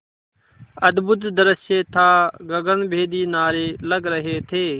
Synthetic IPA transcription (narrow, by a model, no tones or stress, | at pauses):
əd̪bʊd̪d̪əɾəseːt̪ʰaːɡəɡənbʱeːd̪iːnaːɾeːləɡɾəɦeːt̪ʰeː